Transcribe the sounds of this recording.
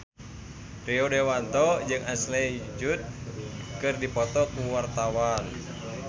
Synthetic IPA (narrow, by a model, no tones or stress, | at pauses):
ɾiodɛwant̪ɔd͡ʒɨŋaslɛd͡ʒut̪̚kɨrdipɔt̪ɔkuwart̪awan